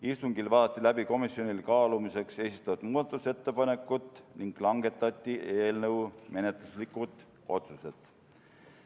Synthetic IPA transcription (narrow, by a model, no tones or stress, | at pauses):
ist̪uŋɡilvɑːd̪ɑt̪ʲˑːilæb̥iko̞misːjo̞nʲilkɑːlumise̞kse̞ːsist̪ɑvɑd̪muːd̪̥ɑt̪ːˑuse̞t̪ːe̞pɑne̞kːˑut̪ːˑniŋɡ̥lɑŋɡ̥e̞t̪ːˑɑt̪ʲːiʔe̞ːlnɤwme̞ne̞t̪luslikːˑut̪ˑ | o̞̰t̪suse̞t̪ˑ